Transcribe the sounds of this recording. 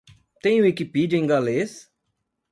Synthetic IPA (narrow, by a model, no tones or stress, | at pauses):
t̪ẽj̃ũekipid͡ʒẽŋɡales